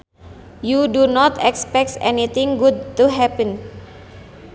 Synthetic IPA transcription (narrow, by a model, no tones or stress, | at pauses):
judunɔt̪ɛkspɛk̚tɛ̰nit̪ɪŋɡud̚t̪uɦɛpə̃n